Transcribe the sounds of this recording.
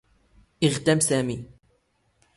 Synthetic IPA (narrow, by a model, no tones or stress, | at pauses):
ʔɪɣt̪amsaːmiː